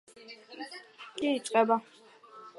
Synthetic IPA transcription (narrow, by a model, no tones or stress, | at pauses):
kʼiit͡ʃʼqʼɛba